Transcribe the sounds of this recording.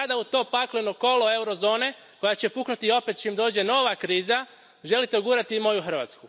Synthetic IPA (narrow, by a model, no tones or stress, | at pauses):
ad̪aut̪o̞ːpaklenoko̞lo̞e̞uɾo̞zo̞ːne̞ | ko̞jat͡ɕe̞puknut̪io̞pe̞t̪̚t͡ɕeimd̪o̞ːd͡ʑe̞no̞ʋakɾiːza | ʒe̞lit̪eoɡuːɾat̪imo̞juxr̩ʋa̰t̪sku